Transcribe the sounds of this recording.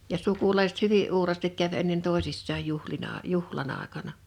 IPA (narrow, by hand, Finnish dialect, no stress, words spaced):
jɑ sukulɑisĕt hyʋiʔ ʔuːrɑːstik kæʋ enːen toˑesisːɑːj juhlinɑ juhlɑn ɑˑekɑnɑ